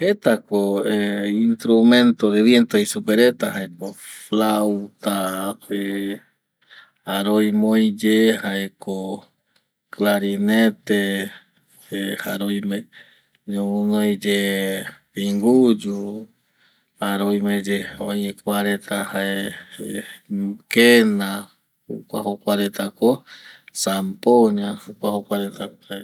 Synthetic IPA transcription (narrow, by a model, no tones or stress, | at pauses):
het̪akoeinst̪ɾumẽnt̪oɾeβjent̪oisupeɾet̪ahaekoflawt̪ae | aɾojmojd͡ʒehaeko | klaɾinet̪e | ehaɾojmẽ | ɲoũnojd͡ʒe | piŋɡud͡ʒu | aɾojmẽd͡ʒeõjekʷaɾet̪ʰahae | kenã | hṵkʷa̰hokʷaɾet̪akosampoɲãhukʷahokʷaɾet̪a